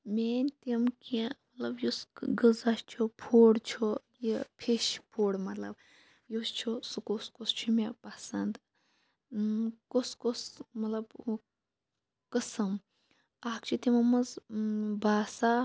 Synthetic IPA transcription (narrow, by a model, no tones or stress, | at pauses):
mʲeːnʲt̪imkemɐt̪lɐbjusɡɨzast͡ʃʰopʰoːɽt͡ʃʰojipʰeʃpʰoːɽmɐt̪lɐ̰b̚ | jost͡ʃʰosukoskost͡ʃʰumʲepɐsɐnd̪ | koskosmɐt̪lɐb | kɨsɨm | akt͡ʃʰut̪ʲimɐmɐzbaːsa